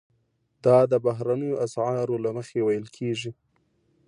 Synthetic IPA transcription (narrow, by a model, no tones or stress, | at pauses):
d̪̥ɑd̪əbaɦɾanəjoʔasʕɑɾolaməxewajəlkʰeʒi